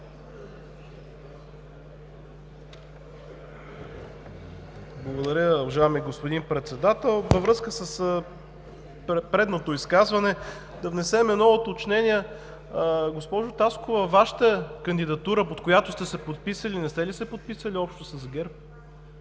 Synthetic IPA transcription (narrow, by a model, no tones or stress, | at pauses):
blˠəɡod̪ɐɾʲəovɐʒaɛmiɡospod̪inpɾɛt̪sɛd̪at̪ɛlˠvəvɾɤskəsəsə | pɾɛd̪not̪oiskazvɐnɛ | d̪ɐvnɛsɛmɛnɔvot̪ot͡ʃnɛnʲiɛ | ɡospɔʒʊt̪askovəvaʃə̥t̪əkɐnd̪id̪ɐt̪uɾəpot̪kojat̪ʊst̪ɛsɛpot̪̚pisəlinɛst̪ɛlisɛpot̪̚pisəliɔpʃt̪osɐzɡɛɾp̚